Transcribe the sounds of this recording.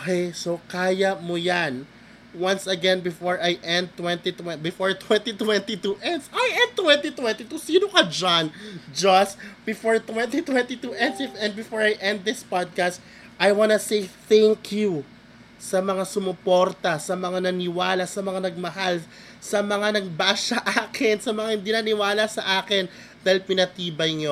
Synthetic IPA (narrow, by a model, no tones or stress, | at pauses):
okejsokaːjɐmojan | wɐ̃nsɐɡɛnbɪfoɹʔajʔɛ̃nd̪̚t̪wɛ̃nt̪it̪wɛbɪfoɹt̪wɛ̃nt̪it̪wɛnt̪it̪uʔɛnd̪sajʔɛ̃nd̪̚t̪wɛ̃nt̪it̪wɛ̃nt̪it̪usiːnokɐd͡ʒand͡ʒɐsb̥ɪfoɹt̪wɛ̃nt̪it̪wɛ̃nt̪it̪uʔɛ̃nd̪sɪfɛ̃nd̪bɪfoɹajʔɛ̃nd̪̚ðɪspad̪̚kast̪ | ʔajwanɐsejθæŋkʰju | sɐmɐŋasʊmʊpo̞ɾt̪ɐsɐmɐŋanɐnɪwaːlɐsɐmɐŋanɐɡ̚mɐɦal | sɐmɐŋanɐɡ̚baːsɐʔaːkɪnsɐmɐŋahɪ̃nd̪inɐnɪwaːlɐsɐʔaːkɪn | d̪aːhɪlpɪnɐt̪iːbɐjŋo